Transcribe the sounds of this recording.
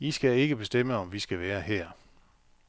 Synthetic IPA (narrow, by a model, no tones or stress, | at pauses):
isɡ̥æe̝ɡ̥əb̥e̝sd̥em̰əɒ̽mʋisɡ̥æʋæːɐhɛɐ̰